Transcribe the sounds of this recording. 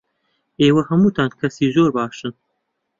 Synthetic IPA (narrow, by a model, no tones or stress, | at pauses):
eːwɐhɐmuːt̪ʰaːnkʰɐsiːzoːɾbaːʃɨn